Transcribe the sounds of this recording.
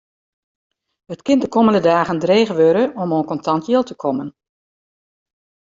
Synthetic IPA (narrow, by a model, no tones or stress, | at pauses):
ətkɪndəkʰɔməndədaːɣəndreːɣəʋøɾəʔɔmonkɔntʰɑntjɪlˠtəkʰɔmən